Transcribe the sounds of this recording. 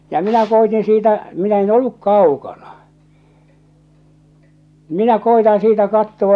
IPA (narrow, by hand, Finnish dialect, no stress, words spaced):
jɑ minæ koitin siːtæ minæ en olːuk kɑukɑnɑ minæ koitɑ̃ː siːtæ kɑtːowɑ